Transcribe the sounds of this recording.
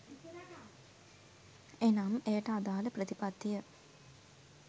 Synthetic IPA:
enaːmeːʈad̪aːlɐpɾɐt̪ipɐd̪ijə

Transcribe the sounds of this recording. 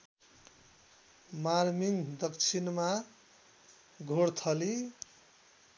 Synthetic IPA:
maɾmiŋd̪ʌkt͡sʰinma | ɡʱoɽt̪ʰʌli

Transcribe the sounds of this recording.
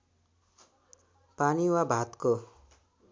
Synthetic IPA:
paniwabʱat̪ko

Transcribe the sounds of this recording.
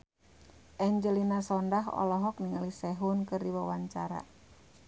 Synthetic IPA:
ʔɛɲd͡ʒəlinasɔndaɦɔ̰lɔɦɔkniŋalisɛɦunkɨrdiwawaɲt͡ʃaɾa̰

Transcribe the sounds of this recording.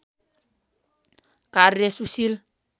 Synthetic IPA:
karesusil

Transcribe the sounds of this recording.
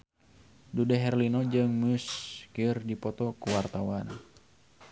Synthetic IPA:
dudɛɦɛrlinɔd͡ʒɨŋmuskirdipɔt̪ɔkuwart̪awan

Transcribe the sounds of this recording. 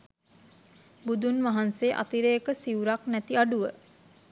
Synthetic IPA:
bud̪unʋaɦanseːʔa̰t̪iɾeːkəsiuɾaknæt̪iaɖuʋə

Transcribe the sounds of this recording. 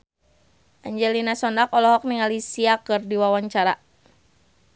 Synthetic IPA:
ʔaɲd͡ʒɛlinasɔndakɔlɔɦɔk̚niŋalisiakɨrdiwawaɲt͡ʃaɾa

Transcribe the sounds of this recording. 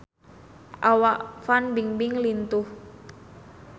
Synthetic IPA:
ʔawaʔfanbiŋbiŋlint̪uh

